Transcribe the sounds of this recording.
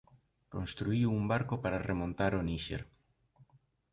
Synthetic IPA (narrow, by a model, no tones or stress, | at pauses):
konst̪ɾuiwumbaɾkopaɾaremõnt̪aɾoniʃḛɾ